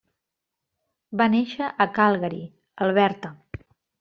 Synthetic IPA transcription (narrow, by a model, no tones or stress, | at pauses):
baneʃəʔəkalˠɣəɾḭ | əlˠβɛɾt̪ə